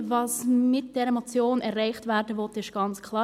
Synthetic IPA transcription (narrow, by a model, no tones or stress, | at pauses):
vɑsmɪt̚d̥ɛːɾɛmɔt͡sjoːnɛɾʁaɪχtvɛɾdəvɔtɪʃɡ̥ɑnt͡skʰl̥ɑː